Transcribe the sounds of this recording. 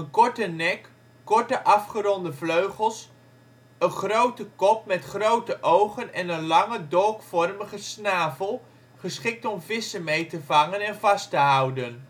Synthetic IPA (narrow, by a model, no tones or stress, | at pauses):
ənkɔɹtənɛkː | ɔɹtəʔɑfχəɾɔndəvløɥχəlˠs | ənχrowtəkɔp̚mɛtχrowtəʔowχənɛnənlɑŋədɔlˠkfɔrməχəsnaːvəlˠ | χəsχɪk̚tɔmvɪsəmejtəvɑŋənɛnvɑstəɦʌwdən